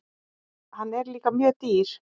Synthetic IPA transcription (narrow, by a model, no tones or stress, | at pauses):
hanɛɾliːkamjøːt̪iːɾ̥